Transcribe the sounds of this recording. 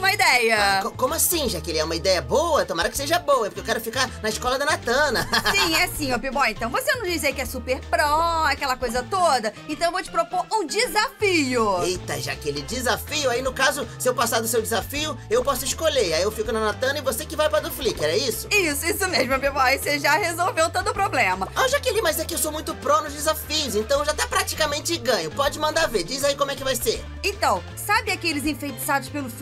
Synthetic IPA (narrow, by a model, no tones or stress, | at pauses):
ũmɐid̪ɛjɐkokõmʊasĩʒakɪelɪɛũmɐid̪ɛjɐbowɐt̪õmaɾɐkɪ̥seʒɐbõwɐɛpoɾkewkɛɾʊfikaɾnɐɪʃkɔlɐd̪ɐnat̪ɐ̃nɐsĩɛsĩopibɔẽnt̪ɐ̃w̃vosenɐ̃w̃d͡ʒis̬ikɪɛsupeɾpɾõɐakɛlɐkojzɐt̪od̪ɐẽnt̪ɐ̃w̃w̃vot͡ʃɪ̥pɾopoɾũd͡ʒizafiʊejt̪ɐʒa̰kelɪd͡ʒizafiʊainʊkazʊsɪewpasaɾd̪ʊsewd͡ʒɪzafiʊewpɔsʊɪsʃkoʎeɾaiewfikʊnɐnat̪ɐ̃nɐɪvosekɪvajpɾɐd̪ʊflikɛɾɛisʊisʊisʊmeʒmɐmewvaeseʒahezowvewt̪od̪ʊpɾoblẽmɐɐ̃ʒakelɪmazɛkɪewsowmũj̃t̪ʊpɾonʊzd͡ʒɪzafijʊzẽnt̪ɐ̃w̃eʒat̪ɛpɾat͡ʃi̥kamẽnt͡ʃɪɡɐ̃ɲʊpɔd͡ʒɪmɐ̃nd̪aved͡ʒizaikõmʊɛkɪvajseɾ | ẽt̪ɐ̃w̃ | sabɪakeelɪzẽfejt͡ʃi̥sad̪ʊspelʊf